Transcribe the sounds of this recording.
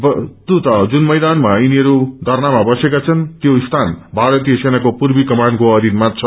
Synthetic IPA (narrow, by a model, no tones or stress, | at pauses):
bʌt̪ut̪ʌd͡zunmʌjd̪anmainiɦʌɾud̪ʌrnamabʌsekat͡sʰʌnt̪joist̪ʰanbʱaɾʌt̪ijʌsenakopurbikʌmankoʌd̪ʱit̪mat̪̚t͡sʰʌ